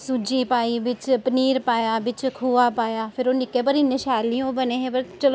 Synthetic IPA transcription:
sʊd͡ʒipaːibɪt͡ʃpəniːɾpaːjaːbɪt͡ʃkʰuːʋapaːjaːpʰɪɾoːnɪkːep̬ɐɾɪnːəʃaːlijõbəneːɦẽpɐɾt͡ʃɐlo

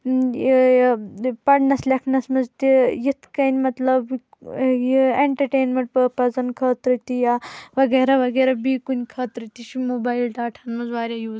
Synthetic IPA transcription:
pɐɽnɐslʲɐkʰnɐsmɐzt̪ijit̪ʰkɐnʲmɐt̪lɐb | ieɳʈɐɾʈeːnmɐɳʈpɐːpɐzɐnkʰɐːt̪ɾɨt̪ijaʋɐɡeːɾaʋɐɡeːɾɐbiːkunʲkʰɐːt̪ɾɨt̪iʃimoːbaːjilɖaːʈʰɐnmɐzʋaːɾʲjajuːz

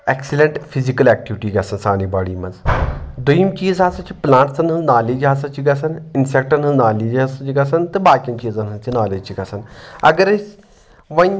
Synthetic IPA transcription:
eksilẽɳʈpʰizikɐleːk̚ʈiʋiʈiːɡɐsɐnsaːniːbaːɽiːmɐnzd̪ujimt͡ʃiːzɦasɐt͡ʃʰiplãːɳʈsɐnɐznaːliːd͡ʒɦas̬ɐ̃t͡ʃʰiɡɐsɐninsek̚ʈɐnɐznaːliːd͡ʒɦasɐt͡ʃʰiɡɐsɐnt̪ɨbaːkijɐmt͡ʃiːzɐnsɐt͡ʃʰinaːled͡ʒt͡ʃʰiɡɐsɐnɐ̰ɡəɾɐs | ʋɐɲ

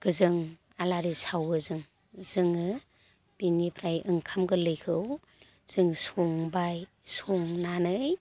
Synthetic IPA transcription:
ɡ̥ɯzɯŋ | alaɾisawɯzɯŋ | zɯŋɯ | b̥inipʰɾajʔɯŋkʰamɡɯlɯjkʰɯw | z̥ɯŋsɔŋbaj | soŋnanɯj

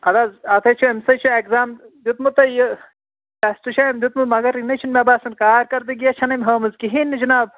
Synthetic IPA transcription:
ɐd̪azɐt̪ʰɐt͡ʃʰuemsɐt͡ʃʰuekzaːmd̪jut̪mut̪ɐjə | ɐst̪ut͡ʃʰɐːmd̪jut̪mumɐɡɐɾinɐt͡ʃʰunmebaːsɐnkaːɾkɐɾd̪iɡiɐt͡ʃʰɐnɐmʲɦɐːmɐzkiɦiːnd͡ʒɐnaːb̚

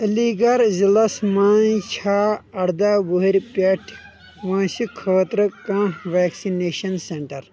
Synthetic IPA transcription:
liɡɐɾzilɐsmaːnt͡ʃʰaːɐɽd̪aːboɦiɾʲpeʈʰ | ʋãːsikʰəːt̪ɾɨkãːʋaːksineːʃɐnseɳʈɐɾ

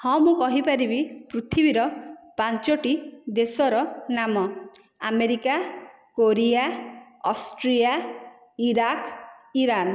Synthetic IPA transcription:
hɔ̃mũkɔɦipaɾibipɾut̪ʰibiɾɔpant͡ʃɔʈid̪esɔɾɔnamɔ | ameɾika | koɾija | ɔsʈɾija | iɾakiɾan

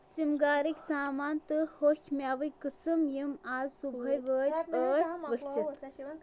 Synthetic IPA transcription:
simɡaːɾikʲsaːmaːnt̪ɨhokʲʰmʲjaːʋɐjkɨsɨmjimaːzsubʱɐjʋəːɾəːɾʋəkʲsi

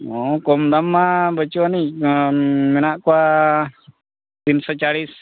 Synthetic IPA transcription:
ɔkɔmd̪amːabət͡ʃɔanic | mɛnaʔkɔwa | t̪insɔt͡ʃaɽis

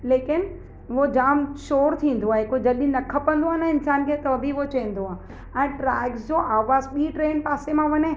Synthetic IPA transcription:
leːkɪn | ʋod͡ʑaːmʃoːɾt̪ʰĩːn̆d̪oaːɦekod͡ʑɐlĩnɐkʰɐpə̃nd̪oaːɦnɐɪnsaːnkʰet̪ɐʋɐbʱiʋot͡ɕɐĩn̆d̪oaːɦ | ɛ̃ːʈɾaːɪɡsd͡ʑoːʔaːʋaːzɓiːʈɾeːnpaːsemãʋɐɲe

